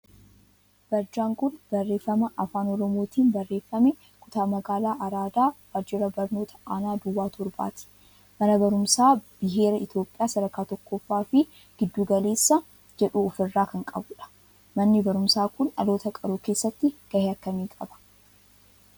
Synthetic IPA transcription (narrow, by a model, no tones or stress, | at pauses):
b̥ɐɾd͡ʒaːŋkʊnb̥ɐrːe̞ːfːɐmɐʔɐfaːnɔɾɔmo̞ːt̪iːnbɐrːe̞ːfːɐmɛ | kʰʊt̪aːmɐɡaːlaːʔɐɾaːd̪aːb̥ɐɾd͡ʒɪɾɐbɐɾno̞ːt̪ʰɐ̥aːnaːd̪ʊwːaːt̪ɔɾba̰ːt̪ɪ̥ | mɐnɐbɐɾʊmsaːb̥ɪɦe̞ːɾɐɪt̪jo̞ːpʼːɪjaːsɐd̪ɐkaːt̪ɔkːɔfːaːfɪ | ɡ̥ɪd̪ːuːɡɐle̞ːsːɐ | d͡ʒɛᶑuːɔfɪrːaːkɐŋkʼɐ̰bʊᶑɐ̥ | mɐnːɪbɐɾʊmsaːkʊnɐ̰lo̞ːt̪ɐkʼɐɾuːke̞ːsːɐt̪ːɪɡ̥ɐheɐkːɐmiːkʼɐbɐ̥